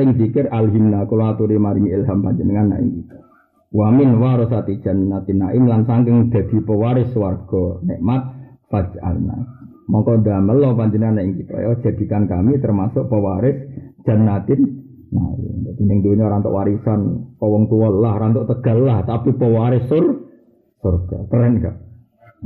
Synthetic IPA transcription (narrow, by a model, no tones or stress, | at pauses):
ɪŋfikɪrʔalɦimnakulɔat̪uɾimaɾiŋiɪlɦampaɲd͡ʒənəŋanːa̰ʔḭŋkit̪ɔ̥ | wamɪnwaɾɔsat̪id̥ʒ̥a̤nːat̪ɪnːaʔɪmlansaŋkɪŋd̪̥a̤d̪̥i̤pəwaɾɪswarɡ̥ɔ̤neʔmat̪̚fḁd͡ʒ̥a̰na̰ | mɔŋkɔdaməlɔpand͡ʒənanːaiŋkit̪ɔ̰jɔd̥ʒ̥a̤d̪̥i̤kankamit̪ərmasʊk̚pəwaɾɪsd̥ʒ̥a̤nːat̪ɪnː | a̰ḭad̪̥i̤nɪŋd̪enioɾant̪ʊ̰ʔwaɾisanpɔwɔŋt̪uwɔllahɾant̪ʊʔt̪əɡ̥a̤llaht̪apipəwaɾɪsːʊr | sʊrɡ̥at̪əɾɛnka̰ʔ